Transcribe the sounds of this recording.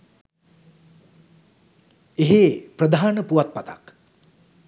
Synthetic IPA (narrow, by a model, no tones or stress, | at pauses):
eɦeprəd̪ʱaaːnəpuʋat̪̚pat̪a̰k